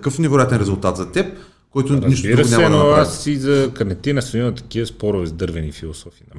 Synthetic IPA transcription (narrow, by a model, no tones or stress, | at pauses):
kɤfnɛvɛɾojat̪ɛnɾɛzʊlˠt̪at̪zɐt̪ɛp̚ | kɔjt̪ʊniʃt̪obdiɾɐosnʲjaɛmnoasizɐkɐɾnɛt̪inɐst̪onimɐt̪ɐ̥kiəspɔɾʊvɛzd̪ɤɾvɛnifilˠosɔfiːnɐ